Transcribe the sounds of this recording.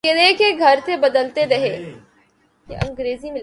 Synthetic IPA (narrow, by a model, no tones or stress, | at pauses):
ed̪eːkeɡʱɐɾt̪ebɐd̪əlt̪eɾɐɦeː | jeʔɐ̰̃ŋɡɾeːzimɪl